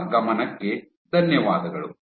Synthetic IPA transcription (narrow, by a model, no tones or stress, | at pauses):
ɡɐmɐnɐkːe̞ | d̪ʱɐnjɐʋaːd̪ɐɡɐɭu